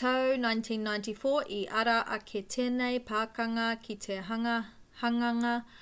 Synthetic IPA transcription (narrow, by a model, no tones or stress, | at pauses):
tɐwnajntʰĩnːajntifoːʔiʔɐɾɐʔɐkʰetʰeːnejpʰaːkɐŋɐkʰitʰeɦɐɐ | hɐŋɐŋɐ